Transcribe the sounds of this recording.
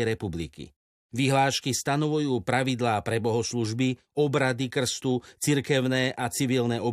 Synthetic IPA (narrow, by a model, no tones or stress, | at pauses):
ɾɛpublḭkḭ | ʋiɦlaːʃkist̪anɔʋujuːpɾaʋid̪laːpɾɛbɔɦɔsluʒbi | ɔbɾad̪ikr̩st̪ut͡siɾkɛʊnɛːʔat͡siʋilnɛɔ